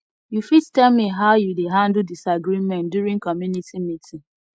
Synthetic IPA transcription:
jufittɛlmiɦaʊjudeɦãndl̩disaɡɹimɛ̃ntduɹĩŋkɔmjunitimitʰĩŋ

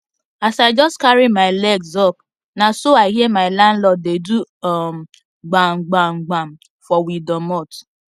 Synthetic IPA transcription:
asaɪd͡ʒɔstkaɾimaɪlɛɡsɔp̚ | nasoaɪɦiemaɪlãnlɔt̚dedum̩ | ɡ͡baŋ͡m̩ɡ͡baŋ͡m̩ɡ͡bam̩ | fɔwidɔmɔt

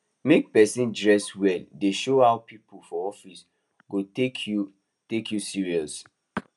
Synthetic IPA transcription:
mek̚pɛsĩndɹɛswɛldeʃohawpipulfɔɔfis | ɡotekʰu | tekʰjusiɹiɔs

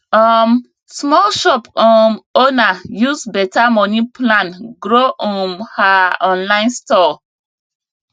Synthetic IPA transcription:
ɔm | smɔlʃɔpɔmonajusbɛtamɔniplãnɡɾoʔɔ̃nhaɔ̃nlãɪ̃nstɔ

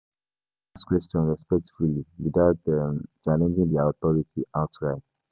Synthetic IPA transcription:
askwɛstɔ̃nɹɛspɛk̚tfuliwidaʊt̚dɛ̃mt͡ʃalɛ̃nd͡ʒĩŋdiaʊt̪ɔɹitʰiʔaʊtʰɹaɪt

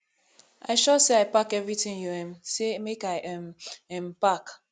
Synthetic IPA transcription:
a̰ɪʃɔseaɪpakɛvɹitɪ̃ŋjuɛmsemekaɪʔɛmɛmpak

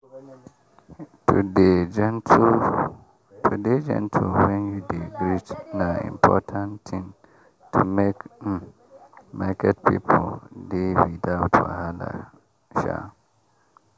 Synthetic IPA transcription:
tʰuded͡ʒɛntʰ | tʰuded͡ʒɛ̰̃ntʰuwɛ̃njudeɡɾitnãḭ̃mpʰɔ̰tʰãnt̪ʰĩn | tʰumek | makʰɛt̚pʰḭpʰldewidaʊtʰa̰hala̰ | ʃa̰

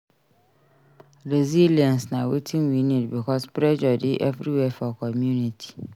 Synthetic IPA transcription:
ɾeziliãnsnãwetʰĩmwinĩtbikʰɔspɾɛd͡ʒɔdɪʔɛvɾiwɛfɔkʰɔmjunitʰi̥

